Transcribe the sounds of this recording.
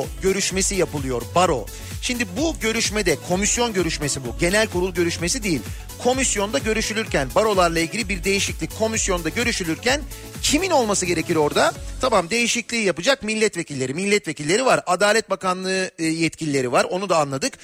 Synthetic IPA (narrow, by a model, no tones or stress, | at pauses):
ɟø̞ɾyʃme̞sijapɯlˠɯjo̞ɾbaɾo̞̰ | ʃimd̪ibuɟø̞ɾyʃmed̪ɛkʰo̞misjo̞nɟø̞ɾyʃme̞sibuɟe̞nælʲkʰuɾulˠɟø̞ɾyʃme̞sid̪ejilʲ | kʰo̞misjo̞nd̪aɟø̞ɾyʃylʲyɾcʰænbaɾo̞lˠaɾlˠailʲɟʲilʲibiɾd̪e̞jiʃiclʲicʲkʰo̞misjo̞nd̪aɟø̞ɾyʃylʲyɾcʰæn | cʰimino̞lˠmasɯɟe̞ɾe̞ciɾo̞ɾd̪at̪ʰamamd̪e̞jiʃiclʲiːjapɯd͡ʒakmilʲːɛt̪ve̞cʰilʲːe̞ɾimilʲːɛt̪ve̞cilʲːe̞ɾivaɾad̪aːlʲɛt̪̚bakanlˠɯːjɛt̪cʰilʲilʲe̞ɾivaɾo̞nud̪aːnlˠad̪ɯk